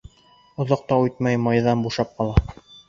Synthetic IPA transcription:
ŏðoq̚t̪ɑujt̪̚mɑjmɑjðɑnbuʃɑp̚qɑlˠɑ

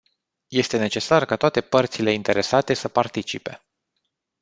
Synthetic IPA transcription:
je̞st̪e̞ne̞t͡ʃe̞sarkat̪oat̪e̞pərt̪sile̞int̪e̞ɾe̞sat̪e̞səpart̪it͡ʃipe̞̰

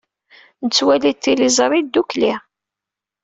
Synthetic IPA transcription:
nət͡sːwælit̪ːilizˤɾˤid̪ukli

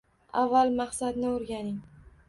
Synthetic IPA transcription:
avːalˠmaχsad̪nɪʊɾɡʲanɪŋ

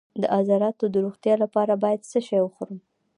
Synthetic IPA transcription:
d̪əʔɑzɑɾɑt̪od̪əɾoɣt̪jɑlapɑɾabɑjad̪səʃɑjwəxuɾəm

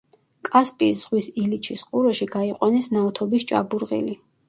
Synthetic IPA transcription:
kʼaspʼisz̥ʁwisilit͡ʃʰisqʼuɾɛʃiɡaiqʼwanɛsnaɔt̪ʰɔbist͡ʃʼa̰buɾʁḭli

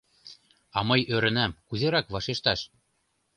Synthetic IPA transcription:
ɑmɤjøɾɘ̆næmkuzeɾɑkβɑʃeʃt̪ɑʃ

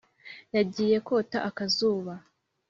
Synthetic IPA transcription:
jaɟiːje̞ko̞taʔakazuːβa

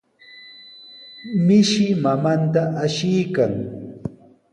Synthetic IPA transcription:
mɪʃɪmamant̪aʔaʃɪjkaŋ

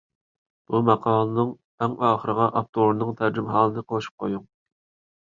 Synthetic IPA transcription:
b̥umɑqʰɑːlˠɨnɨŋ | ɛŋɑːχəɾəʁɑʔɑp̚t̪ʰoɾnɨŋt̪ʰæɾd͡ʒymɦɑːlˠɨnɨqʰoʃu̥p̚qʰojuŋ

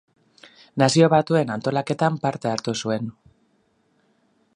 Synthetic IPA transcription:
nasio̞βat̪ue̞nant̪o̞lake̞t̪ampaɾt̪e̞aɾt̪usue̞n

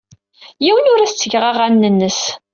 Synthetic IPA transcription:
jiwənʊɾæst͡sːəʝʁaʁænːənːəs

